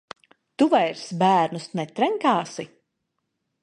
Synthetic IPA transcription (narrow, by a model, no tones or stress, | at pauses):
t̪uvajɾsbæːɾnusnɛt̪ɾɛŋkaːsi